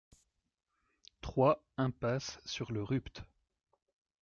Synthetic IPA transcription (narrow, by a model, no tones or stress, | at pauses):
t̪χwa | ɛ̃pasːyʁləʁypt̪